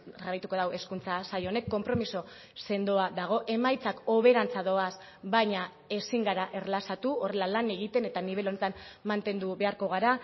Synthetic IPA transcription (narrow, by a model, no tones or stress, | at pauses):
raɾajt̪uko̞ð̞awe̞skunt͡sasajo̞ne̞kːo̞mpɾo̞miso̞ | se̞nd̪oaðaɣ̞o̞ʔe̞majt͡sako̞β̞e̞ɾant͡saðo̞as | bajɲa | e̞siŋɡaɾaʔe̞rlasat̪uo̞re̞lalane̞ɣ̞it̪e̞ne̞t̪aniβ̞e̞lo̞net̪anmant̪e̞nd̪uβe̞aɾko̞ɣ̞aɾa